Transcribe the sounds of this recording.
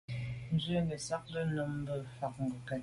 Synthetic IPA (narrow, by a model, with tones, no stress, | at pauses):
n̩˦zə˦ŋɡə˨sa˦k̚lə˦no˦m˦bə˦˨fa˨k̚ŋ̩˨ɡu˨ka˨